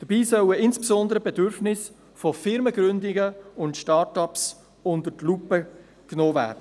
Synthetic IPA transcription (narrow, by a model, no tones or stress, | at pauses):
d̥əb̥iːsœwəɪnsb̥sɔndəɾəbɛdʏɾfnɪs | fofɪɾməɡɾʏndɪɡəʊntʃtɑːtɑps | ʊndətlupə | knoːvæ̰ːɾd̥ə